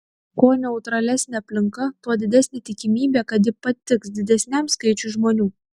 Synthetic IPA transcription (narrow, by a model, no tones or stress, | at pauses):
koːnʲɛʊt̪ɾɐlʲæsʲnʲeɐpʲlʲɪŋkɐt̪uɔd̪ʲɪd̪ʲæsʲnʲet̪ʲɪkʲɪmʲiːbʲeːkɐt̪jɪpɐt̪ʲɪksd̪ʲɪd̪ʲɛsʲnʲæmskɐɪt͡ʃʲʊʒmoːnʲuː